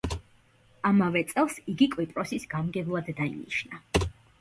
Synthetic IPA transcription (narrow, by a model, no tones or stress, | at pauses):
amavɛt̪sʼɛlˠsiɡikʼwipʼɾɔsisɡamɡɛvlˠad̪ːaḭnḭʃna